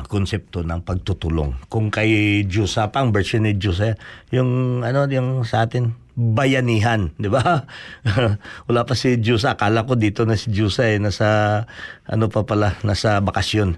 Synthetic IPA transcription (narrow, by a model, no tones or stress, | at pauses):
konsɛp̚t̪onɐŋpɐɡ̚t̪ut̪ulo̰ŋkʊŋkɐjd͡ʒuːsapɐŋbɛɹsonɪd͡ʒuːs̬ɐjʊŋɐno̞jʊŋsɐʔaːt̪ɪn | bɐjɐniːɦand̪ɪba | wɐlapɐsɪd͡ʒuːs̬ɐkaːlɐkod̪iːt̪o̞nɐsɪd͡ʒuːsɐɛnasɐ | ʔɐ̰nopɐpɐlanasɐbɐkɐsjon